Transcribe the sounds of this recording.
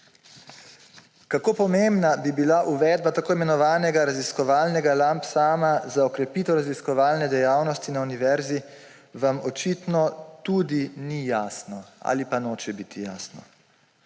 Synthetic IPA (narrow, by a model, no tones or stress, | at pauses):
kakoːpɔmembnabibilaʔuʋɛːd̪̚bat̪akoːimɛnɔʋaːnɛɡaɾaziskɔʋaːlnɛɡalampsaːmazaɔkɾɛpiːt̪ɛwɾaziskɔʋaːlnɛd̪ɛjaːwnɔst̪inauniʋɛɾzi | ʋamɔt͡ʃit̪nɔt̪ud̪inijaːsnɔa̰lipanoːt͡ʃɛbiːt̪ʰija̰ːsnɔ